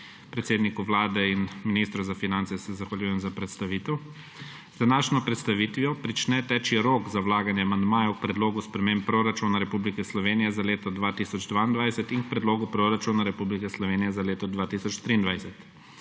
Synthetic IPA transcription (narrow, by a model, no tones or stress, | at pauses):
pɾɛt̪seːd̪nikuʋlaːd̪ɛinminist̪ɾɔzafinant̪sɛsɛzaxʋaljuːjɛmzapɾɛt̪st̪aʋit̪ɛw | zd̪anaːʃnɔpɾɛt̪st̪aʋit̪ʋijɔpɾit͡ʃnɛt̪ɛːt͡ʃiɾoːkzawlaːɡanjɛamand̪maːjak̚pɾɛd̪loːɡuspɾɛmempːɾoɾat͡ʃunaɾɛpublikɛslɔʋeːnijɛzaleːt̪ɔd̪ʋaːt̪isɔd͡ʒd̪ʋaːind̪ʋajsɛt̪iŋk̚pɾɛd̪loːɡupɾoɾat͡ʃunaɾɛpublikɛslɔʋeːnijɛzaleːt̪ɔd̪ʋaːt̪isɔt͡ʃt̪ɾiːnd̪ʋajsɛt̪